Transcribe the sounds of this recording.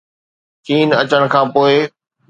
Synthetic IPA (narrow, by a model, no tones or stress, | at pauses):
t͡ɕiːnɐt͡ɕəɽ̃̆kʰãːpoːɪ